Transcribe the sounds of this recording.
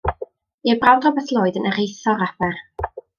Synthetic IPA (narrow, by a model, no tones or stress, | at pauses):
iəbrawdrɔbɛθlˠʊːɨdənəɾejθɔɾabɛr